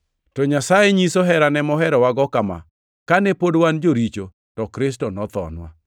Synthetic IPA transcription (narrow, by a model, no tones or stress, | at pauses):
tɔɲasajeɲisɔɦɛɾanɛmɔɦɛɾɔwaɡɔkama̰ | kanɛpodwand͡ʒoɾit͡ʃo | tɔkɾɪs̬tɔnɔt̪ɔ̰nwa̰